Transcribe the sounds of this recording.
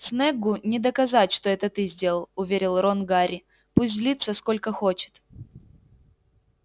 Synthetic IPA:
snɛɡʊnʲɪd̪əkɐzatʲʂt̪oɛt̪ət̪ɨzʲdʲelˠəlˠʊvʲeɾʲɪlˠronɡaɾʲɪ | pusʲt̪ʲzʲlʲit̪səsko̞lʲkəxo̞t͡ɕɪ̥t̪

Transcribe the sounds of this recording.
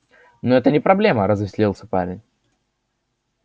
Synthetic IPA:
noɛt̪ənʲɪpɾɐblʲe̞məɾəzɪsʲlʲilˠsʲə̥pa̰ɾʲɪnʲ

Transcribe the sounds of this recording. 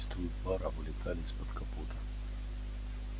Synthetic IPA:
st̪vʊjʊt̪vaɾavɨlʲɪt̪ʰalʲɪspɐt̪kɐput̪ɐ

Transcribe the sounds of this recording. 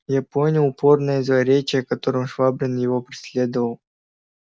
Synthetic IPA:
japonʲʊlʊpo̞rnəjəzvɐɾʲet͡ɕɪjəkɐt̪o̞ɾɨmʂvabɾʲɪnjɪvopɾʲɪsʲlʲed̪əvəlˠ

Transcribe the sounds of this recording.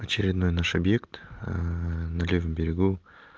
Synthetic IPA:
ɐt͡ɕɪɾʲɪd̪no̞jnaʂɐbje̞kt̪ | nɐlʲevəmbʲɪɾʲɪɡu

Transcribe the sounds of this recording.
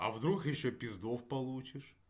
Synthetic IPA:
ɐ̰vd̪ɾuxjɪɕːopʲɪzd̪ofpɐlˠut͡ɕɪʂ

